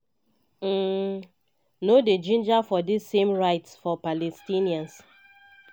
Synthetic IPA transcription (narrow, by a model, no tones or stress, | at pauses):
noded͡ʒĩnd͡ʒafɔdisːẽmɹaɪtsfɔpalɛstiniãns